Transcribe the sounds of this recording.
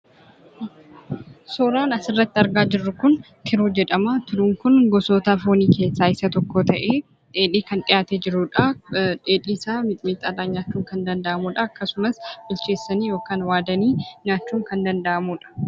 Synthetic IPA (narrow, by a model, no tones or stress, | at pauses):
soːɾaːnɐsɪrːɐt̪ːɪɐɾɡaːd͡ʒɪrːʊkʊn | kʰɪɾuːd͡ʒɛᶑɐmaːt̪ʊɾuːŋkʊnɡɔsoːt̪aːfoːniːke̞ːsːaːɪsɐt̪ɔkːoːt̪ɐʔeː | ᶑe̞ːᶑiːkɐnᶑ̪ʼɪjaːt̪ɛd͡ʒɪɾuːᶑɐᶑeːᶑiːsaːmɪt̪ʼmiːt̪ːɐlaːɲɲaːt͡ʃːuːŋkɐnd̪ɐnd̪ɐʔɐmuːᶑɐɐkːɐsʊmɐsb̥ʊlt͡ʃe̞ːsːɐniːjo̞ːkaːnwaːd̪ɐniːɲaːt͡ʃːuːŋkɐnd̪ɐnd̪ɐʔɐmuːᶑɐ̥